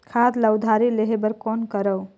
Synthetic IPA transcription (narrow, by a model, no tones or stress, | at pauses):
kʰad̪ləwd̪ʱaɾileɦebəɾkɔnkəɾəw